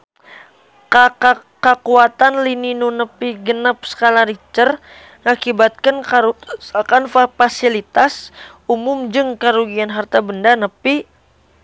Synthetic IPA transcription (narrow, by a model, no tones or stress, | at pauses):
ka | kakuat̪anlininunəpiɡənap̚sə̥kalaɾit͡ʃər | ŋakibat̪̚kanaakanfafasilit̪as | umʊmd͡ʒɨŋkaɾuɡianɦart̪abəndanəpi